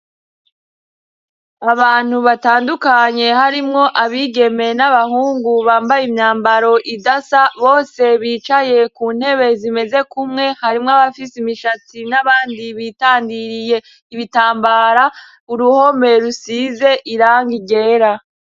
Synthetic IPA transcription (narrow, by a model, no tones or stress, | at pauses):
aβaːn̥huβataːndukaɲe̞haɾimŋo̞ʔaβiːɡe̞me̞naβahuːŋɡuβaːmbajimɲaːmbaɾo̞ʔidasaβo̞ːse̞βiːt͡ʃaje̞kuːn̥he̞βe̞zime̞ze̞kumŋe̞haɾimŋaβafisimiʃatinaβaːndiβitaːndiɾije̞ | iβitaːmbaɾa | uɾuho̞me̞ɾusiːze̞ʔiɾaːŋɡiɡe̞ːɾa